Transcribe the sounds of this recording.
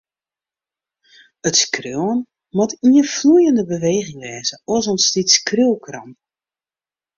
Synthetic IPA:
ətskrøən | mɔtiəflujəndəbəʋeːɣɪŋʋɛːzəɔsɔnstitskrylˠkrɑmp

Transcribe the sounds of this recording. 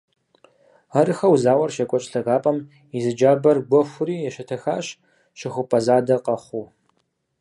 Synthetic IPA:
ɐrɨxɐwzaːwɐrʃɐkʷʼɔt͡ʃʼɬɐɣaːpʼɐm | izɨd͡ʒaːbɐrɡʷɔxʷʊɾiːjɛʃɐtʰɐxaːɕ | ʃɪxʷʊpʰʼɐzaːdɐqɐχʷu

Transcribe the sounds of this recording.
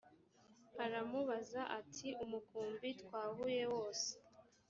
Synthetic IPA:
aɾamuβazaʔatʰiumukuːmbitwaːhuje̞wo̞ːse̥

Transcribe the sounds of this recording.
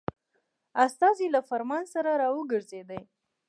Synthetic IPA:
ast̪ɑzilafaɾmɑnsaɾaɾɑwəɡəɾzed̪əj

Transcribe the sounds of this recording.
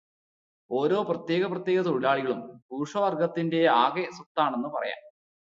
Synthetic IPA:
o̞ːɾo̞ːprɐt̪je̞ːɣɐprɐt̪je̞ːɡɐt̪oɻilaːɭiɣɐɭumpuːʂɐʋɐrɡɐt̪ːinde̞aːɣesut̪ːaːɳe̞nːɨpɐrɐ̰ja̰ːm

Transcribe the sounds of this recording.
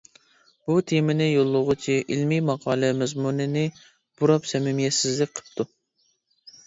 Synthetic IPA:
b̥ut̪ʰemɪnɪjolˠːʊʁʊt͡ʃʰiʔilmimɑqʰɑːlˠɛmɛzmunɨnɪ | b̥uɾɑpsɛmɪmjɛsɪzlɪk̚ʲqʰə̥p̚t̪ʰu

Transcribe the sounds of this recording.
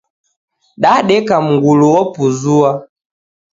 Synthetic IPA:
ɗaɗɛkam̩ŋɡuluwɔpuzua

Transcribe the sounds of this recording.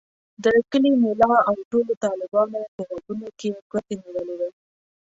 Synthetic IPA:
d̪əkəlimelɑawʈolot̪ɑlɪbɑnopəɣad̪unokeɡwat̪eniwəled̪a

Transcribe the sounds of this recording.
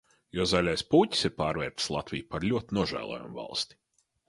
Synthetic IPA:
jɔzalʲajspuːcʲi̥siɾpaːɾvɛ̰ːɾt̪i̥slˠat̪vʲijpaɾlʲuɔt̪inuɔʒæ̰ːlˠo̰ːjṵmva̰lˠst̪i̥

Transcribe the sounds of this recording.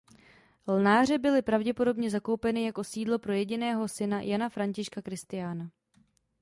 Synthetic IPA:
lnaːr̝ɛbɪlɪpɾavɟɛpo̞do̞bɲɛzako̞wpɛnɪjako̞siːdlo̞pɾo̞jɛɟɪnɛːɦo̞sɪnajanafɾaɲcɪʃkakɾɪst̪ɪjaːna

